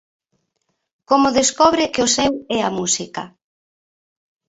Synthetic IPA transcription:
komʊðeskɔβɾɪkɪʊsɛwɛɐmusikɐ

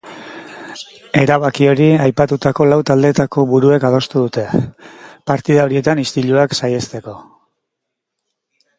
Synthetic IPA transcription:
e̞ɾaβakio̞ɾiajpat̪ut̪ako̞lawt̪ald̪e̞t̪ako̞βuɾue̞kað̞o̞st̪uðut̪e̞ | paɾt̪iðao̞ɾie̞t̪anist̪iʎuaksajest̪e̞ko̞

